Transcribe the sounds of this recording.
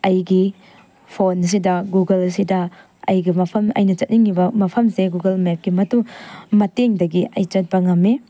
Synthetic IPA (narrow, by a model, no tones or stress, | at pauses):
ɐjɡi | pʰons̬idɐɡuɡɐlsidɐ | ɐjɡimɐpʰɐmɐ̰jnɐt͡ʃɐt̚niŋibɐmɐpʰɐmseɡuɡɐlmep̚ɡimɐtumɐteŋdɐɡiʔɐjt͡ʃɐt̚bɐŋɐme